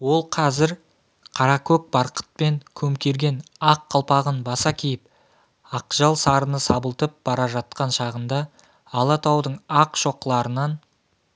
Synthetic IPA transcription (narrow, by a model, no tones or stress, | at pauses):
wo̞lˠqʰɑzɪɾ | qʰɑɾɑkʰɵk̚bɑɾqə̥t̪̚pe̞ŋkʲʰɵmkʲe̞ɾɡʲe̞nɑqːɑlˠpɑʁənbɑsɑkʲʰejɪp̚ | ɑqʒ̥ɑlˠsɑɾənəsɑbəlˠt̪əp̚bɑɾɑʒɑt̪̚qɑnʃɑʁənd̪ɑː | lˠɑt̪ʰɑwd̪əɴɑqʃo̞qlˠɑɾənɑn